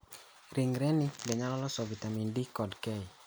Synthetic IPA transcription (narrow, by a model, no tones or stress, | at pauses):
ɾiŋɾɛnidɛɲalɔlɔsɔvitamindikɔdkɛj